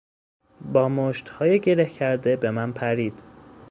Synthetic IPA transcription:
bɒːmoʃt̪hɒːjeɟe̞ɾe̞hcʰæɾd̪e̞be̞mænpʰæɾiːd̪̥

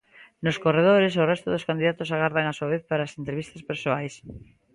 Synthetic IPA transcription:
noskoreð̞oɾesorɛst̪oðoskand̪iðat̪osaɣaɾðaŋasuaβeθpaɾaːsent̪ɾeβist̪aspeɾsoajs

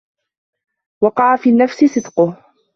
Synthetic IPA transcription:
wɑqɑʕafiːnːafsɪsˤɨd̪qʊh

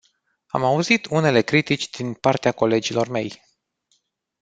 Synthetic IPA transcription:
a̰mauzit̪une̞le̞kɾit̪it͡ʃʲd̪̥inpart̪eako̞le̞d͡ʒilo̞rme̞j

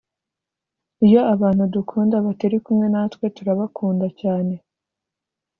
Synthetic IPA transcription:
ijo̞aβaːn̥hudukʰuːndaβate̞ɾikumŋe̞natkwe̞tuɾaβakʰuːndacaːne̞

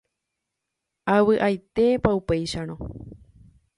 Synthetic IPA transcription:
awɨʔajt̪e̞paupejʃaɾ̃õ

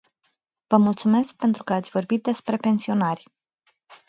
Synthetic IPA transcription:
vəmult̪sume̞sk̚pe̞nt̪ɾukəat̪sʲvo̞rbit̪̚d̪e̞spɾe̞pe̞nsio̞narʲ

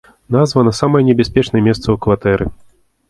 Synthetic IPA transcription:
nazvɐnɐsamɐjɛnʲɛbʲasʲpʲɛt͡ʂnɐjɛmʲɛst̪sɐukvat̪ɛɾɨ̰

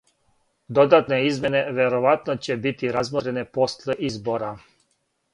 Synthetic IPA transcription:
d̪od̪at̪neizmje̞neʋeɾoʋat̪not͡ɕebit̪iɾazmɾeneposlˠeʔizboɾa

